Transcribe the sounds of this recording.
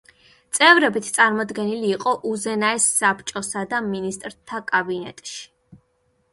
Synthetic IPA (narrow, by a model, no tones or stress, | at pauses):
t̪sʼɛvɾɛbit̪ʰt̪sʼaɾmɔd̪ɡɛniliːqʼɔʔuzɛnaɛsːapʰt͡ʃʼɔsad̪aminist̪ʼɾt̪ʰakʼabinɛ̰t̪ʼʃi̥